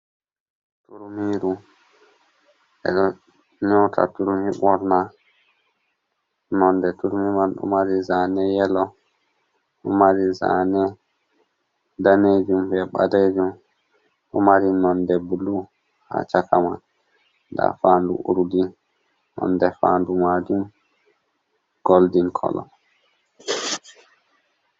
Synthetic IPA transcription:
tuɾmiɾu | ɛ̰ɗɔ | nɔtʰa̰tuɾumhiɓɔɾna | nɔndɛtuɾmimanɗɔ̰maɾizanɛjɛlɔ | ɗɔmaɾiza̰nɛ | daned͡ʒumbɛɓaded͡ʒum | ɗɔmaɾinɔndɛbulu | ha̰t͡ʃakaman | da̰fandṵʔṵɾudi | nɔ̰ndɛfa̰ːndumad͡ʒum | ɡ̥oldinkʰɔ̰lɔ̰

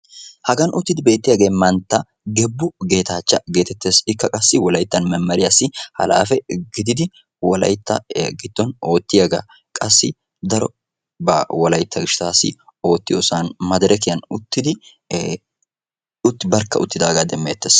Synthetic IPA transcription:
hɐɡɐnʔʊt̪ːɪd̪ɪbe̞ːt̪ːɪjɐɡe̞ːmɐnt̪ːɐ | ɡɛbːʊɡe̞ːt̪aːt͡ʃːɐɡe̞ːt̪ɛt̪ːe̞ːsɪkːɐkʼɐsːɪwɔlɐjt̪ːɐnmɛmːɐɾɪɐsːɪhɐ̰la̰ːfɛɡɪd̪ɪd̪ɪ | wɔlɐ̰jt̪ːɐɡɪt̪ːɔno̞ːt̪ːɪjɐɡa̰ː | kʼɐsːɪ | d̪ɐɾɔ | bɐwɔlɐjt̪ːɐɡɪʃt̪aːsɪ̰o̞ːt̪ːɪjoːsaːnmɐd̪ɐɾɛkɪjɐnʊt̪ːɪd̪ɪ | ʊt̪ːɪbɐɾkːɐ̰ʔʊt̪ːɪd̪aːɡaːd̪ɛmːḛːt̪ːeːs

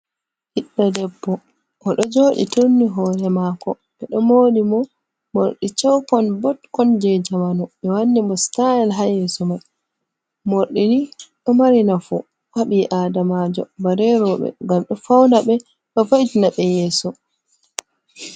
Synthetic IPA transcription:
hiɗːadɛbːɔ | ʔɔɗɔd͡ʒoːɗḭtonːiɦɔːjɛmakɔ | ɓɛɗɔmoːɗimɔ | moɾɗit͡ʃɔwkɔnbɔtkɔnd͡ʒɛd͡ʒamanɔɓɛwanːimɔstajɛlɦajɛsɔmaj | moɾɗiniɗɔmaɾinafṵ | waɓiʔaːdamad͡ʒɔ̰baɾɛɾɔɓɛ̰ŋɡamɗɔfawnaɓɛ | ɗɔfajtinaɓɛjɛːsɔ

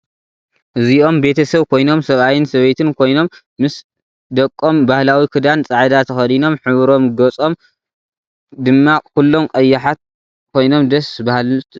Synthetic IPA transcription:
ʔɨziʔo̞mbe̞t̪ʰɐsɐβkʰo̞jno̞msɐβajinsɐβɐjt̪ʰɨnkʰo̞jno̞mː | ɨs | d̪ɐkʼːo̞mbahlawikʰɨd̪ant͡sʼaʕd̪at̪ʰɐxɐd̪ino̞mħɨβɾo̞mɡɐt͡sʼo̞m | d̪ɨmːakulːo̞mkʼɐjːaħat̪̚ | kʰo̞jno̞md̪ɐsbahlt̪

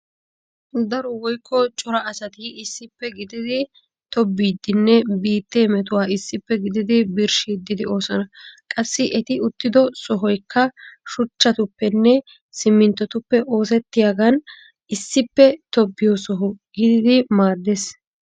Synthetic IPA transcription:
d̪ɐɾɔwɔjkʰːɔt͡ʃʼɔɾɐɐsɐt̪iɪsːɪpːɛɡɪd̪ɪd̪ɪ | t̪ɔbːiːd̪ːɪnːɛbiːt̪ːeːmɛt̪̬ʊwaːɪsːɪpːɛɡɪd̪ɪd̪ɪbɪɾʃid̪ːɪd̪ɪo̞ːsɔnɐkʼɐsːɪʔɛt̪ɪʊt̪ːɪd̪ɔsɔɦɔjkʰːɐʃʊt͡ʃːɐt̪ʊpːɛnːɛ | sɪmːɪnt̪ːɔt̪ʊpːɛʔo̞ːs̬ɛt̪ːɪjaɡɐn | ɪsːɪpːɛt̪ɔbːɪjɔsɔɦʊɡɪd̪ɪd̪ɪmaːd̪ːes

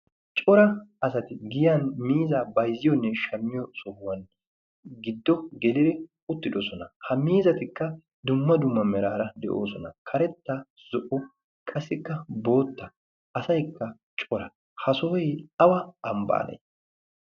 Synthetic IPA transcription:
t͡ʃʼɔɾɐɐsɐt̪ɪɡɪjanmiːzaːbɐjzɪjɔnːɛʃɐmːɪjɔsɔhwɐn | ɡɪd̪ːɔɡɛlɪɾɛ | ʊt̪ːɪd̪ɔsɔnɐhɐmiːzɐt̪ɪkːɐ | d̪ʊmːɐd̪ʊmːɐmɛɾaːɾɐd̪ɛ̰ʔo̞̰ːsɔnɐ̰kʰɐɾɛt̪ːɐ | z̥ɔʔɔ | kʰɐsːɪkːɐbo̞ːt̪ːɐ | ɐsɐjkːɐ | t͡ʃʼɔɾɐ | hɐsoːjɐwɐɐmba̰ːnɐ̰j

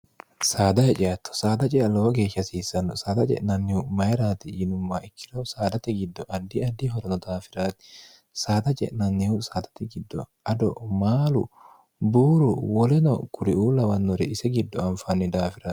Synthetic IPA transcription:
saːd̪ɐjɛt͡ʃʼɪjɐt̪ːɔ̥saːd̪ɐt͡ʃʼɛɐlːɔwɔɡe̞ːʃːɐsiːsːɐnːɔsaːd̪ɐt͡ʃʼɛ̰ʔnɐnːɪhʊmɐjɪɾaːt̪ɪjɪnʊmːaːɪkːɪɾɐwsaːd̪ɐt̪ɛɡɪd̪ːɔʔɐd̪ːɪɐd̪ɪɦɔɾɔnɔd̪aːfɪɾaːt̪ɪ̥ | saːd̪ɐt͡ʃʼɛ̰ʔnɐnːɪʊsaːd̪ɐt̪ɛɡɪd̪ːɔ̰ | ɐd̪ɔ̰maːlʊ̰ | buːɾʊwɔlɛnɔ̰kʊɾɪʔuːlɐwɐnːɔɾɛɪsɛɡɪd̪ːɔɐmfɐnːɪd̪aːfɪɾaːt̪

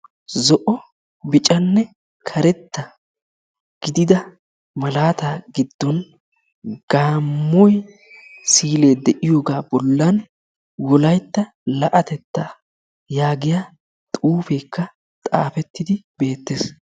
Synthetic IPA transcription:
zɔʔɔ | bɪt͡ʃʼɐnːɛ | kʰɐɾɛt̪ːɐ | ɡ̥ɪd̪ɪd̪ɐ | mɐlaːt̪aːɡɪd̪ːɔn | ɡ̥aːmːɔj | siːle̞ːd̪ɛʔɪjo̞ːɡaːbɔlːɐn | wɔlɐjt̪ːɐ | lɐʔɐt̪ɛt̪ːɐ | jaːɡɪja | t̪ʼuːfe̞ːkːɐ | t̪ʼa̰ːfɛt̪ːɪd̪ɪbe̞ːt̪ːe̞ːs

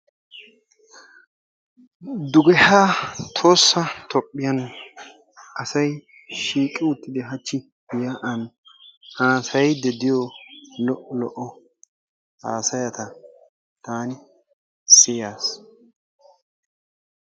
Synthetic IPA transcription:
d̪ʊɡɛhat̪ʰo̞ːsːɐt̪ʰɔpʼːɪjɐn | ʔɐsɐj | ʃiːkʼːɪʊt̪ːɪd̪ɪɦɐt͡ʃːɪ | ɪjaʔɐnhaːsɐjd̪ɛd̪ɪjɔlɔʔɔlɔʔɔ | a̰ːsɐjɐt̪ɐ | t̪aːnɪ | sɪjaːs

